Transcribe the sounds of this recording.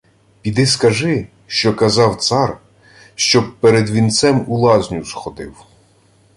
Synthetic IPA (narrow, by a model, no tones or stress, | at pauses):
pʲid̪ɪskɐʒɪ | ʃt͡ʃɔkɐzɑwt̪sɑr | ʃt͡ʃɔb̚peɾed̪ʋʲint̪sɛmʊlˠɑzʲnʲuzxɔd̪ɪw